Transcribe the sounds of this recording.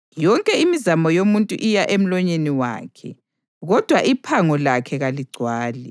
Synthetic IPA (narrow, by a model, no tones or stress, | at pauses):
jɔŋkʼɛimizamɔjomuntʼṵʔijaʔem̩lɔɲeniwa̰ːkʰɛ̰ | ɣɔd̥ʱwaʔipʰaŋɔlakʰɛɣaliɡ͡ǀʱwaːlɛ